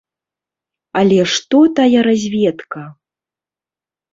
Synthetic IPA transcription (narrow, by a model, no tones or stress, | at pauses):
alʲɛʂt̪ɔt̪ajaɾazʲvʲɛt̪kɐ